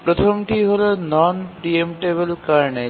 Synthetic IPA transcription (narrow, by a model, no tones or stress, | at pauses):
pɾot̪ʰomʈiɦolonɔnpɾiemʈebelkaɾɳe